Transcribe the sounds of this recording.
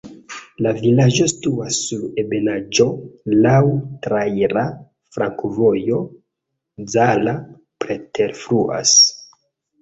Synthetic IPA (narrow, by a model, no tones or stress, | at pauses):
lavilad͡ʒo̞stuasːuɾe̞be̞nad͡ʒo̞lawtɾajɾa | fɾaŋkvo̞jo̞ | d͡zala | pɾe̞teɾfɾuʔa̰s